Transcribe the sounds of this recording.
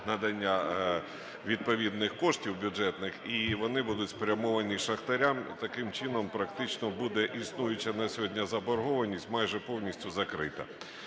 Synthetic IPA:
nɐd̪ɐnʲːa | ʋʲid̪̚pɔʋʲid̪nɪxkɔʂtʲiwbʲʊɛt̪nɪxiʋɔnɪbud̪ʊtʲspɾʲɐmɔʋɐnʲiʃɐxt̪ɐɾʲamt̪ɐkɪmt͡ʃɪnɔmpɾɐkt̪ɪt͡ʃnɔbud̪ɛʔisnujʊt͡ʃɐnɐsʲɦɔdʲnʲɐzɐbɔɾɦɔʋɐnʲisʲtʲmajʒɛpɔwnʲisʲtʲʊzɐkɾɪ̰t̪ɐ̰

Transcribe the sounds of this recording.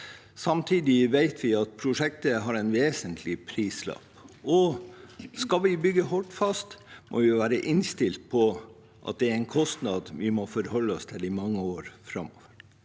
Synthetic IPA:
sɑmt̪ʰiːd̪ɪʋeɪt̪ʰʋɪɑt̪̚pʰɾʊʂɛk̚t̪əɦɑɾæɪnʋeːsənt̪ʰlɪpʰɾiːslɑ̰ːpɔ | skɑlʋɪbʏɡːəɦɔʈfɑst̪mʔo̰ʋɪʋæːɾəʔɪnst̪ɪlt̪̚pʰɔ | ʔɑ̰t̪̚d̪ɛæɾæɪnkʰɔst̪nɑd̪ʋɪmɔfɔɾhɔlːəɔst̪ʰɪlɪmɑŋːəoːɾfɾɑmɔ̰ʋəɾ

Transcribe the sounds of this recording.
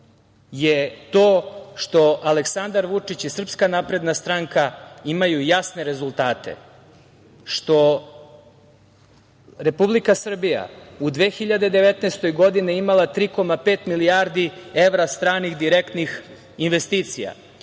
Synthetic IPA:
jet̪oːʃt̪o̞ʔale̞ksand̪aɾʋut͡ʂit͡ɕisr̩pskanapɾe̞d̪nast̪ɾaŋkaimajujasne̞ɾe̞zulˠt̪aːt̪e̞̰ | ʃt̪o̞ | ɾe̞publikasr̩bija̰ud̪ʋeːxiʎad̪e̞d̪e̞ʋet̪neːst̪o̞jɡo̞d̪iniimalˠat̪ɾiːko̞mapeːt̪milijaːɾd̪ie̞ʋɾast̪ɾaːnixd̪iɾekt̪nix | inʋest̪iːt̪sija̰

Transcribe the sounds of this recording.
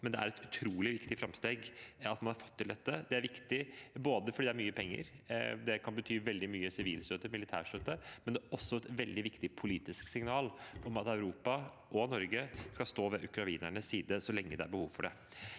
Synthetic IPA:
mɛnd̪ɛæ̰ɾɛt̪ʉ̥t̪ʰɾuːlɪʋɪkt̪ɪfɾɑmst̪eːɡɑt̪mɑnhɑɾfɔ̥t̪ʰːɪld̪ɛt̪ːəd̪ɛæɾʋɪkt̪ɪboːd̪əfɔɖiːd̪æɾmyːəpʰɛŋːə̰ɾd̪ɛkʰɑnbət̪ʰyːʋɛld̪ɪmyːəsɪʋiːlst̪øːt̪əmɪlɪt̪ʰæ̰ːʂt̪øːt̪ːəmɛnd̪ɛɔsːɔɛt̪ʋɛld̪ɪʋɪkt̪ɪpʰʊliːt̪ɪsksɪŋnɑːlɔmɑt̪æʉɾuːpɑ | ʔɔnɔɾɡəskɑst̪oːʋɛʔʉkɾɑiːnæɳəsːiːd̪əsɔlɛŋːəd̪ɛæɾbəhuːʋfɔɖɛ̰

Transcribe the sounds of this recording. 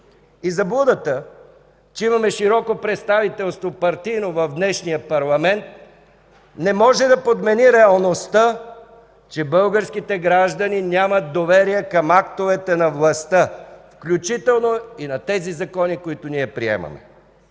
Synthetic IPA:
izɐblˠud̪ət̪ə | t͡ʃɛimɐmɛʃiɾɔkopɾɛt̪st̪avit̪ɛlˠst̪vopɐɾt̪inovɐvd̪nɛʃnijəpɐɾlˠɐmɛnt̪̚ | nɛmɔʒɛd̪ɐpod̪mɛniɾɛɐlˠnost̪ə | t͡ʃɛbɤlˠɡəɾskit̪ɛɡɾaʒd̪əninʲjamət̪̚d̪ovɛɾijɛkɐmakt̪ovɛt̪ɛnɐvlˠɐst̪əfklʲut͡ʃit̪ɛlˠnoinɐt̪ɛzizɐkɔnikoit̪ʊniɛpɾiɛ̰mɐ̰mɛ̰

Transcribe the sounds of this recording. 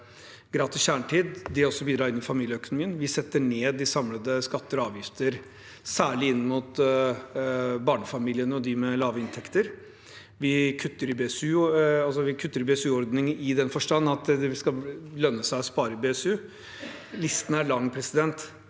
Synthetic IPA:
ɡɾɑːt̪ɪsçæːɳʈʰiːd̪d̪ɛɔsːɔbiːd̪ɾɑːɾɪnːɪfɑmiːljəœkʊnʊmiːənʋɪsɛt̪ːəɳeːd̪ɪsɑmləd̪əskɑt̪ːəɾɔɑːʋjɪft̪ʰəɾ | sæːɭɪɪnːəmut̪ | bɑːɳəfɑmiːlɪənəɔd̪ɪmɛlɑːʋəɪnt̪ʰɛkt̪əɾ | ʋɪkʰʉt̪ːəɾɪbeːsʉːɑlsɔʋɪkʰʉt̪ːəɾɪbeːsʉːɔɾd̪nɪŋəɪd̪ɛnfɔʂʈɑnːɑt̪d̪ɛʋɪskɑlœnːəsæɪɔspɑːɾəɪbeːɛsʉː | lɪst̪ən̩æɭɑŋːpʰɾɛsɪd̪ɛnt̪

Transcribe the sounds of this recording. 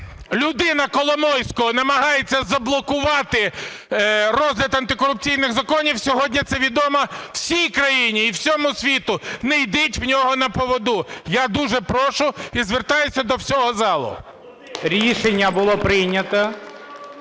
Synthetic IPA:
lʲʊd̪ɪnɐkɔlˠɔmɔjsʲkɔɦɔnɐmɐɦɑjet͡sʲːɐzɐblˠɔkʊʋɑt̪ɪ | ɾɔzʲlʲɪt̪ɐnt̪ɪkɔɾʊp̚t͡sʲijnɪɣzɐkɔnʲiwsʲɔɦɔdʲnʲit̪sɛʋʲid̪ɔmɐw̥sʲijkɾɐjinʲiːwsʲɔmʊsʲʋʲit̪ʊnɛjd̪ɪtʲwnʲɔɦɔnɐpɔʋɔd̪ujad̪uʒɛpɾɔʃʊizʋert̪ɑjʊsʲɐd̪ɔwsʲɔɦɔzɑlˠʊ̰ | ɾʲiʃenʲːɐbʊlˠɔpɾɪjnʲɐt̪ɐ

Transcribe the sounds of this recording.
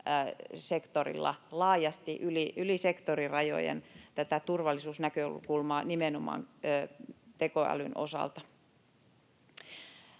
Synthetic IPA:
sekt̪orḭlːɑ̰lɑːjɑst̪iʔyliʔylisekt̪orirɑjo̰jḛnt̪æt̪æt̪urʋɑlːˑisuːsnækøoulṵkulmɑːnimenomɑ̰ːnː | t̪ekoæ̰lynʔo̰sɑ̰lt̪ɑ

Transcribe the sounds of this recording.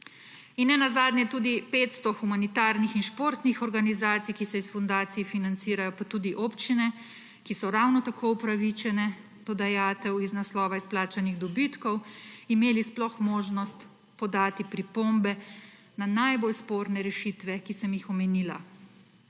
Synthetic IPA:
inːɛnazaːd̪nʲɲjɛt̪uːd̪ipet̪st̪ɔxumanit̪aːɾnixinʃpoːɾt̪nixɔɾɡanizaːt̪sijkisɛisfɔnd̪aːt̪sijɛfinant̪siːɾajɔpat̪uːd̪iʔoːpt͡ʃinɛ | kisɔɾawnɔt̪akʰoːupɾaʋit͡ʃɛnɛ | d̪̥ɔd̪ajaːt̪ɛwiznaslɔːʋaisplaːt͡ʃaniɣd̪ɔbit̪kɔwimeːlisplɔxmoːʒnɔst̪ | pɔd̪aːt̪ipɾipombɛ | nanajbolspoːɾnɛɾɛʃit̪ʋɛkisɛmjixɔmɛniːla̰

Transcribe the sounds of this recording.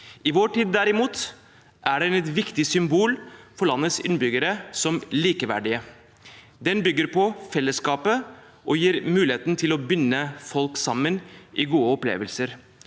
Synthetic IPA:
ɪʋoʈiːd̪ːæɾɪmuːt̪ | ʔæɖɛnɛt̪ʋɪkt̪ɪsʏmbuːlfɔɭɑnːət̪sɪ̰nbʏɡəɾəsɔmliːkəʋæ̰ɖɪə | d̪ɛnbʏɡːəɾpʰɔfɛlːəskɑːpə | ʔɔjiːɾmʉːlɪheːt̪ən̩t̪ʰɪlɔbʏnːəfɔlksɑmːənʔɪɡuːəɔplḛːʋəlsəɾ

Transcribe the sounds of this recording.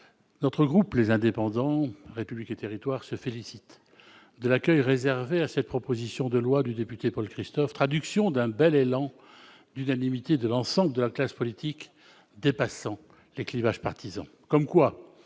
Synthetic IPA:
nɔt̪χəɡʁuplezɛ̃d̪epɑ̃d̪ɑ̃ʁepybliket̪eʁit̪waʁsəfelisit̪ | d̪əlakʲœjʁezɛʁveasɛt̪̚pχɔpozisjɔ̃d̪əlwad̪yd̪epyt̪epɔlkχist̪ɔft̪χad̪yksjɔ̃d̪ɛ̃bɛlelɑ̃ | d̪ynanimit̪ed̪əlɑ̃sɑ̃bləd̪əlaklaspɔlit̪ʰik | d̪epasɑ̃ | leklivaʒpaʁt̪izɑ̰̃ | kɔmkwa

